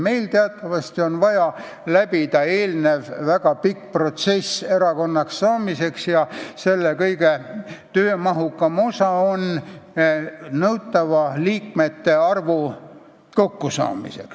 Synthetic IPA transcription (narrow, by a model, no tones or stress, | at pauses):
me̞jlt̪eɑt̪ˑːɑvɑst̪io̞nvɑjɑ | læbid̪̥ɑe̞ːlne̞vvæɡ̥ɑpikːpro̞t̪se̞seɾɑko̞nːɑksːɑːmise̞ksjɑse̞lːekɤjɡe̞t̪øːmɑɦukːɑmo̞sɑo̞n | nɤwt̪ːˑɑvɑliːkme̞t̪ːe̞ɑrvu | ko̞kːusɑ̰ːmḭse̞̰ks